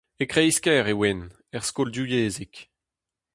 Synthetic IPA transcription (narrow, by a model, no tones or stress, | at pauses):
ekχeiskɛʁewɛn | ɛʁskoldujeːzek